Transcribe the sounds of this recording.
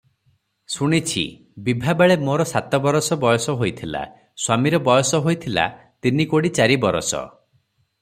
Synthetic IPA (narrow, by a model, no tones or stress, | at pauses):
suɽ̃it͡ʃʰḭ | bibʱabaɭemoɾɔsat̪ɔbɔɾɔsɔbɔjɔsɔɦojt̪ʰila̰ | swamiɾɔbɔjɔsɔɦojt̪ʰila̰ | t̪inikoɽit͡ʃaɾibɔɾɔ̰sɔ̰